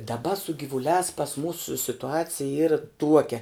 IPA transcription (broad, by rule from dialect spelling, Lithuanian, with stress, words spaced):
dɐˈbɐ sʊ ɡʲɪʋʊˈlʲæːs pɐs ˈmuːsʊ sʲɪtʊˈɑːt͡sʲɪjɛ ˈiːrɐ ˈtuɔkʲɛ